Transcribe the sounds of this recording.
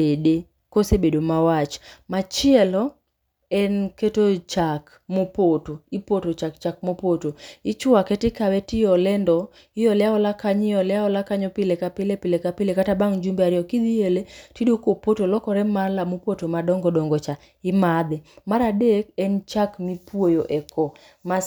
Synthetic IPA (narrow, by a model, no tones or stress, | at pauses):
ede | kosebedomawat͡ʃmat͡ʃɪɛlɔ | ɛnketot͡ʃak | mopotoɪpotot͡ʃakt͡ʃak̚mopotoɪt͡ʃʊakɛtɪkawɛtɪjɔlɛndɔ | ɪjɔlɛaɔlakaɲɪjɔlɛaɔlakaɲɔpɪlekapɪlepɪlekapɪlekatabaŋd͡ʒumbeaɾɪjɔkid̪ieletidokopotolɔkɔɾɛmalamopotomadɔŋɡɔdɔŋɡɔt͡ʃa | ɪmad̪ɛmaɾadekɛnt͡ʃakmipwojoʔɛkɔ | ma